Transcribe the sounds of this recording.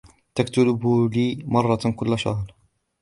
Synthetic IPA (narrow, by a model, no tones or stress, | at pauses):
t̪akt̪ʊlɪbliːmɑrˤːɑkʊlːaʃɑ̰hɾ